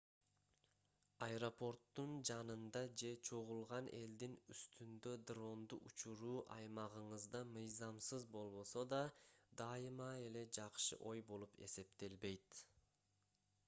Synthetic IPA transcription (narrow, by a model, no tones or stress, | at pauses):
ajɾo̞po̞rt̪ːund͡ʒɑnɯnd̪ɑd͡ʒe̞t͡ʃʰoʁulˠʁɑnʔe̞ld̪inyst̪ynd̪ø̞d̪ro̞nd̪uʔut͡ʃuɾuːʔɑjmɑʁɯɴɯzd̪ɑmɯjzɑmsɯzbo̞lˠβo̞so̞d̪ɑd̪ɑimɑe̞le̞d͡ʒɑqʃɯ̰ʔo̞jbo̞lˠupʰe̞̰se̞p̚t̪e̞lbe̞jt̪